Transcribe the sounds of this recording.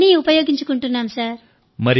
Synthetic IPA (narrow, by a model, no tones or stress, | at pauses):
niːupɐjoːɡiɲt͡ʃu̥kuɳʈunːaːmsaːɾ | mɐɾi